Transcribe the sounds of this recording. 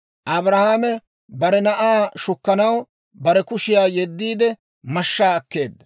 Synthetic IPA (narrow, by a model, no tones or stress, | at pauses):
ʔɐbɾɐhaːmɛ | bɐɾɛnɐʔaːʃʊkːɐnɐw | bɐɾɛkʊʃɪjaːjɛd̪ːiːd̪ɛ | mɐʃːaːɐkːe̞ːd̪ːɐ